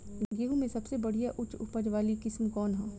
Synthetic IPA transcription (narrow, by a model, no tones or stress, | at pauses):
ɡeːɦumẽsɐbsebɐɽ̤ijaʔʊt͡ʃʊpəd͡ʒʋaːlikɪsmkɔːnɦɛː